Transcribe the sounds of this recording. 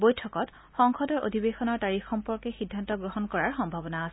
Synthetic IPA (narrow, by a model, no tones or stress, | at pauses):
bojtʰɔkɔt | xɔŋxɔdɔɹʔo̰dʱibexɔnɔɹtaɹixːɔmpɔɹkɛxidʱːantɔɡɹoɦɔnkɔɹaɹxɔmbʱabɔnaːs